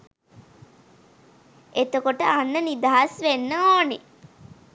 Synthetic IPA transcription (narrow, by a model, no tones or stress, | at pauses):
et̪okoʈəanːənid̪aɦasʋenːəoːne